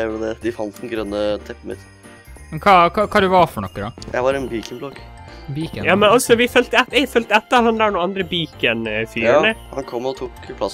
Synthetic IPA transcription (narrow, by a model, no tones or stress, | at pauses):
ʊləd̪ɛd̪ɪfɑnt̪̚d̪ɛnɡɾœnːət̪ʰɛp̩ːmɪ̰t̪ | mɛnkʰɑkʰɑkʰɑːd̪ʉʋɑfɔɳɔkːədɑjæ̰ɪʋɑɾɛnbiːkɪnblɔɡbikjɑːmɛnɔsɔʋɪfœlt̪əɛt̪ɛfœlt̪əɛt̪ːəɾhɑnd̪æɳuːɑnd̪ɾəbiːkənfyːnəhɑ̰nkʰɔmːɔt̪ʰuːkpʰlɑs